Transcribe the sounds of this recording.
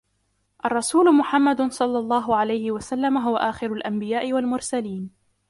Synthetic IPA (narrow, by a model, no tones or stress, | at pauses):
ʔɑrˤːɑsuːlʊmʊħamːad̪sˤɑlːɑlˤːɑːɦʊʕalajhɪwasalːamaɦʊwaʔaːxɪɾʊlʔambɪjaːʔɪwalmʊɾsaliːn